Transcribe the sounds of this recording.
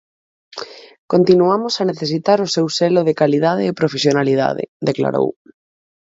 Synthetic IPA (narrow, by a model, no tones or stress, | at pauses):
kont̪inuamosaneθesit̪aɾʊsewseloð̞ekalið̞aðeːpɾofesjonalið̞a̰ðḛd̪ekla̰ɾo̰w